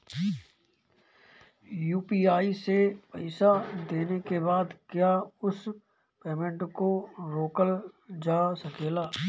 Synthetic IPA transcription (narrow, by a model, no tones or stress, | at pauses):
juːpiːaːisepɐɪsad̪eːnekebaːd̪kjaːʊs | peːmẽɳʈkoɾoːkəld͡ʒaːsɐkeːlaː